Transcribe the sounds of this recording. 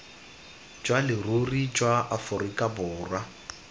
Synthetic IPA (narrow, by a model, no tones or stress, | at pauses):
d͡ʒwalɪrurid͡ʒwaʔafʊrikʼabʊːra